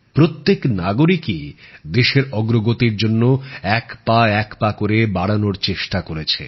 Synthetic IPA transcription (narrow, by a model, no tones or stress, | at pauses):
pɾot̪ːeknaɡoɾikid̪eʃeɾɔɡɾoɡot̪iɾd͡ʑonːoɛkpaɛkpakoɾebaɽanoɾt͡ɕeʃʈakoɾet͡ɕʰḛ